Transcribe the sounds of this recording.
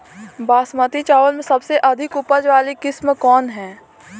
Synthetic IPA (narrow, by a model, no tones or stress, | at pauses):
baːsmət̪it͡ʃaːʋəlmẽsɐbseʔɐd̪ʱɪkʊpəd͡ʒʋaːlikɪsmkɔːnɦɛ̃ː